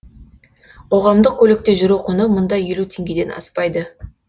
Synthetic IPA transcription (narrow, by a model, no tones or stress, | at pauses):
qʰo̞ʁɑmd̪əq̚kʲʰɵle̞k̚t̪e̞ʒʊɾuqʰənəmʊnd̪ɑje̞lut̪ʰe̞ŋɡʲe̞d̪e̞nɑ̰spɑjd̪ə